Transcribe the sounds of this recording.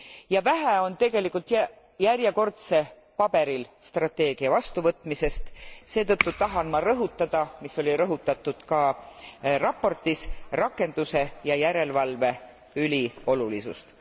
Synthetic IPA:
jɑvæɦæo̞nt̪e̞ɡe̞likult̪j | jæɾjeko̞rt̪se̞ | pɑb̥e̞ɾilst̪rɑt̪ːe̞ːɡ̥iɑvɑst̪uvɤt̪ˑmise̞st̪se̞ːt̪ɤt̪ːut̪ɑɦɑnmɑɾɤɦut̪ːˑɑd̪̥ɑmiso̞lʲiɾɤɦut̪ːˑɑt̪ːˑud̪̥kɑ | rɑpːo̞rt̪ːisrɑkːˑe̞nd̪̥use̞jɑjæɾe̞lvɑlve̞ | ylʲio̞lulisṵst̪

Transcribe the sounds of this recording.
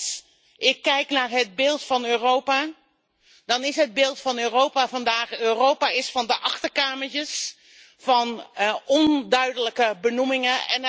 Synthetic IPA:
s | ʔɪkːɛjknaːɹɦəd̚bɪːlˠtfɑnøːrowpa | d̥ɑnɪsɦəd̚bɪːlˠtfɑnøːrowpavɑndaːχøːrowpaɪsfɑndəʔɑχtəɹkaːməɹt͡ʃəs | vɑnɔndœɥdələkəbənumɪŋəɛ̰n

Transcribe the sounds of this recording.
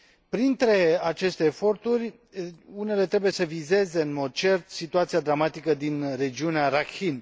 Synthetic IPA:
pɾint̪ɾe̞at͡ʃe̞st̪e̞ːfo̞rt̪urʲ | une̞le̞t̪ɾe̞buje̞səvize̞ze̞ɨnmo̞d̪̚t͡ʃe̞rt̪sit̪uat̪siad̪ɾamat̪ikəd̪inre̞d͡ʒiuneaɾakxin

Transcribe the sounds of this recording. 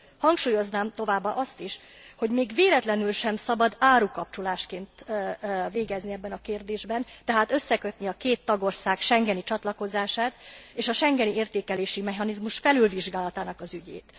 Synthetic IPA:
hɒŋkʃuːjo̞znaːmt̪o̞vaːbːaʔɒst̪iʃho̞ɟmeːɡveːlɛt̪lɛnylʃɛmsɒbɒd̪aːɾukɒp̚t͡ʃolaːʃkeːnt̪ː | veːɡɛzniɛbːɛnɒkeːrd̪eːʒbɛnt̪ɛɦaːt̪ø̞sːɛkø̞t̪niɒkeːt̪ːɒɡo̞rsaːkʃɛŋɡɛnit͡ʃɒt̪lɒko̞zaːʃaːt̪eːʃɒʃɛŋɡɛnieːrt̪eːkɛleːʃimɛɦɒnizmuʃfɛlylviʒɡaːlɒt̪aːnɒkɒzyɟḛːt̪

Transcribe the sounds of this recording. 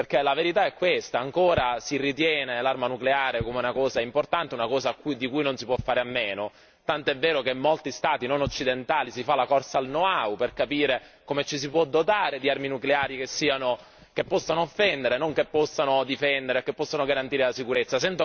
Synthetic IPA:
perk̟elaveɾit̪aɛkːwest̪aːŋkoːɾasirit̪jɛːnelarmanukleaːɾekomeunakɔːzaimport̪ant̪eunakɔːzaːkːujd̪ikujnonsipwɔfːaːɾeamːeːno | t̪ant̪oɛvːeːɾokemːolt̪ist̪aːt̪inonot͡ʃːid̪ent̪aːlisifalakɔrsalnoauperkapiːɾe | komet͡ʃisipwɔd̪ot̪aːɾed̪iarminukleaːɾikesːiːano | k̟epːɔsːanoːfːɛnd̪eɾenoŋkepːɔsːanod̪ifɛnd̪eɾekːepːɔsːanoɡaɾant̪iːɾelasikuɾet̪sːasɛnt̪o

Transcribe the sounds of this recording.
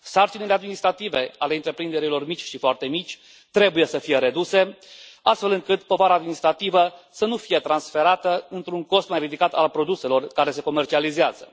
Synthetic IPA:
sart͡ʃinele̞ad̪minist̪ɾat̪ive̞ale̞ɨnt̪ɾe̞pɾind̪e̞ɾilo̞rmit͡ʃʲʃifoart̪e̞mit͡ʃʲ | t̪ɾe̞buje̞səfije̞ɾe̞d̪use̞ast̪fe̞lɨŋkɨt̪po̞vaɾaːd̪minist̪ɾat̪ivəsənufije̞t̪ɾansfe̞ɾat̪əɨnt̪ɾuŋko̞st̪majrid̪ikat̪alpɾo̞d̪use̞lo̞rkaɾe̞se̞ko̞me̞rt͡ʃializeazə

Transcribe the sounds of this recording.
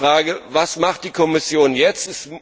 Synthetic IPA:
ʁ̥aːɡəvasmaχt̚d̥iːkʰɔmɪsjoːnjɛt͡stɛs

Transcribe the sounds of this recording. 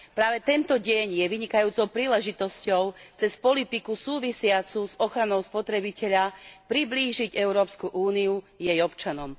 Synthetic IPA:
pɾaːʋɛt̪ɛnt̪ɔɟɛɲjɛʋiɲikajuːt͡sɔʊpɾiːlɛʒit̪ɔscɔʊt͡sɛspɔlit̪ikusuːʋisɪat͡suzɔxɾanɔʊspɔt̪ɾɛbicɛʎapɾibliːʒiɟɛʊɾɔːpskuʔuːniu | jɛjɔpt͡ʃanɔm

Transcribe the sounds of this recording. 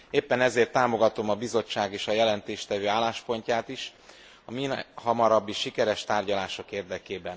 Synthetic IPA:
eːpːɛnɛzeːrt̪ːaːmo̞ɡɒt̪o̞mɒbizo̞t͡ʃːaːɡeːʃɒjɛlɛnt̪eːʃt̪ɛvøːaːlːaːʃpo̞ɲcaːt̪iʃ | ɒminhɒmɒɾɒbːiʃikɛɾɛʃt̪aːrɟɒlaːʃo̞keːrd̪ɛkeːbɛn

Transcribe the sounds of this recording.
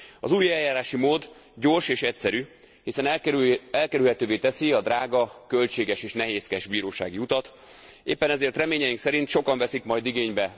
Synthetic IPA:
ɒ̰zuːjɛljaːɾaːʃimoːd̪ | ɟo̞rʃeːʃɛcsɛɾyː | hisɛnɛɛlkɛɾylɦɛt̪øːveːt̪ɛsiɒd̪raːɡɒkø̞lt͡ʃeːɡɛʃeːʃnɛɦeːskɛʒbiːɾoːʃa̰ːɡiut̪ɒt̪ | ḛːpːɛnɛzeːrt̪rɛmeːɲɛjiŋksɛɾint̪ʃo̞kɒɱvɛsikmɒjd̪iɡeːɲbɛ

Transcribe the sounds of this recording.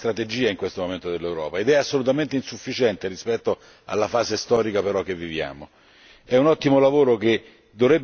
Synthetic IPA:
t̪ɾat̪ed͡ʒiːaiŋkwest̪omoment̪od̪elːewɾɔ̰ːpaed̪ɛasːolut̪̬ament̪einsufːit͡ʃɛnt̪eɾispɛt̪ːo | a̰lːafaːsest̪ɔːɾikapeɾɔk̟ːevːivja̰ːmo | ɛunɔt̪ːimolavoːɾok̟e | d̪ovɾɛb

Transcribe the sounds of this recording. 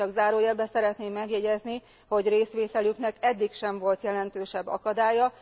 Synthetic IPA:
ɒɡzaːɾoːjɛlbɛsɛɾɛt̪neːmːɛɡjɛɟɛzni | ho̞ɟreːsʋeːt̪ɛlyknɛkɛd̪ːikʃɛɱvo̞lt̪jɛlɛnt̪øːʃɛbːɒ̰kɒd̪aːjɒ

